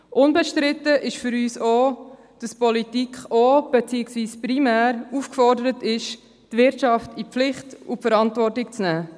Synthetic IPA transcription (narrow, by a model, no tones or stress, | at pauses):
ʔʊnbɛʃtɾɪtəʔɪʃfʏɾyːsoː | d̥ɑspɔlitikχoːb̥ɛt͡siːɪksʋiːspɾimæːɾuːfkfɔɾdəɾətɪʃ | tvɪɾtʃɑftiplɪχtufəɾɑntvɔrtɪk̚t͡snæː